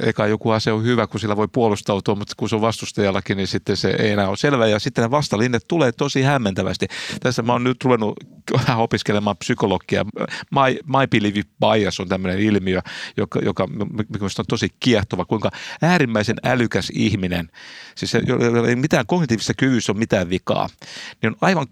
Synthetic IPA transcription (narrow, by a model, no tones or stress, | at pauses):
ḛikɑjokuhɑseohyʋækusilːæʋoipuolust̪ɑut̪uɑmmut̪kuseoʋʋɑst̪ust̪ɑjɑlːɑkinisit̪ːensḛḛienæːosselʋæːjɑsit̪ːeneʋɑst̪ɑlinːet̪t̪uleːt̪osihæmːent̪æʋæ̰st̪it̪æsːæmæoːnnyt̪ruʋenːuæopiskelemɑːmpsykolokːiɑ̰mɑimɑipiliʋipɑiɑsont̪æmːønenilmiøjokɑ̰jokɑmmmkmøst̪ont̪osikiɛht̪oʋɑkuiŋkɑæːɾimːæisenælykæsihminḛnsisejo̰oemit̪æːŋkoknit̪iːʋisːɑkyʋysːommit̪æːʋʋikɑ̰ːnionɑiʋɑŋ